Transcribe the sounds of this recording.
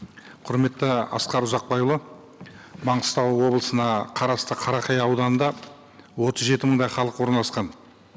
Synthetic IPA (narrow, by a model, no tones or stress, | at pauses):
qʰʊɾme̞t̪ːɪɑ̰sqɑɾʊzɑq̚bɑjlˠə | mɑɴəst̪ɑwwo̞blˠəsənɑqʰɑɾɑst̪əqʰɑɾɑqɑjɑwd̪ɑnənd̪ɑ | wo̞t̪əzʒe̞t̪ɪməɴd̪ɑjχɑlˠəqwo̞ɾnlˠɑsqɑn